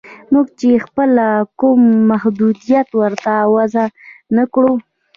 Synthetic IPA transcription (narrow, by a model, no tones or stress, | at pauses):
muɡt͡ʃexpəlakumːahd̪ud̪ijat̪wəɾt̪awazanakɽu